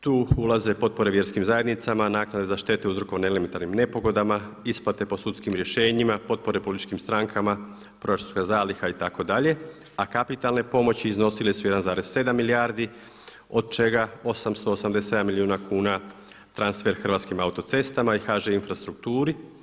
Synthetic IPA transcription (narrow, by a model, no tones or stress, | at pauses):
t̪uːulaze̞po̞t̪̚po̞ɾeʋje̞ɾskimzaje̞d̪nit̪samanaːknad̪e̞zaʃt̪e̞t̪euzɾoko̞ʋneeliment̪aɾnimne̞po̞ɡo̞d̪amaisplˠat̪e̞po̞sut̪skimɾje̞ʃe̞ːɲimapo̞t̪̚po̞ɾe̞polit̪it͡ʃkimst̪ɾaŋkʰama | pɾo̞jat͡ʃokazaːlixait̪ako̞d̪aʎe̞ | akapit̪alˠne̞po̞mo̞t͡ɕiːzno̞silesujed̪anzaːɾe̞sse̞d̪amːiliaːɾd̪i | o̞d̪̚t͡ʃe̞ɡao̞samst̪oːsamd̪ese̞d̪amːiliuːnakuːna | t̪ɾansfe̞ɾxr̩ʋat̪skimaut̪o̞t̪se̞st̪amaixaʒeinfɾast̪ɾuk̚t̪uːɾi